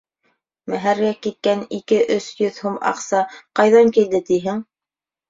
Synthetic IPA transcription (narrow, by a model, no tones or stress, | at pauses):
mæɦæɾɡækit̪̚kænikɘʔɵsjɵðhumɑ̰qsɑqɑjðɑŋkild̪ɘt̪iɦɘŋ